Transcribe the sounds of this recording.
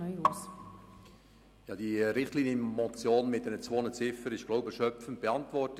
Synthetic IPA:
nœjus | jɑːd̥iɾɪχtliːnjəmɔt͡sjoːnmɪt̚d̥ɛnət͡svoːnət͡sɪfəɾɪʃɡ̥loʊbəʃœpfən̩t̚b̥eɑntvɔrt

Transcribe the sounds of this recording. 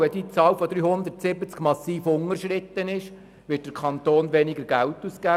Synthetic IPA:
ɛdit͡sɑːwfɔd̪ɾyːhʊnd̪əɾtsɪbət͡skmɑsːiːfʊŋəɾʃɾɪt̪ːənɪʃ | ʋɪːt̚d̥̪əɾkʰɑnt̪oːnʋɛniɡəɾɡæwtuskæ

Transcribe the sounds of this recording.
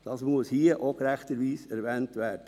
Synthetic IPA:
d̥ɑsmuəshiːəʔokɾæxtəɾʋiːsɛɾʋɛːntʋæːɾd̥ə

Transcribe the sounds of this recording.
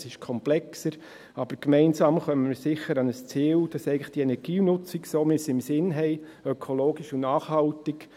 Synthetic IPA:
sɪʃkʰɔmplɛksəɾ | ɑb̥əɾkmɛɪnsɑːmχœməməsɪχəɾɑnəst͡siːld̥ɑsɛɪɡŋləχd̥iɛnɛɾɡ̥iːnʊt͡sɪksoːmɪsɪmsɪnɦɛɪ | œkʰoloːɡiʃʊnɑːχhɑltɪk

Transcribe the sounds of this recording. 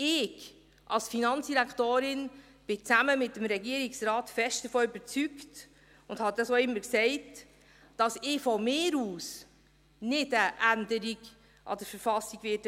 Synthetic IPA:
ɪɡ | ʔɑlsfinɑnt͡ssd̥iɾækʰtoːɾɪn | b̥ɪt͡sæməmɪtːəmɾɛɡiəɾiksɾɑːtfɛʃtd̥əfoːybəɾt͡sykt | ʊnd̥hɑdɑsoɪmːəɾksɛɪt | d̥ɑsɪfɔmɪːɾuːs | nɪdəʔændəɾiɡ | ʔɑ̰d̥əɾfəɾfɑsːiɡʋɪːt

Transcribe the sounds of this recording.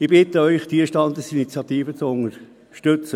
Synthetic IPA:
ɪbɪt̪əœʏχd̪̥iəʃtɑnd̪əsinit͡sjɑt̪iːfət͡sʊnəɾ | ʃtøt͡sə

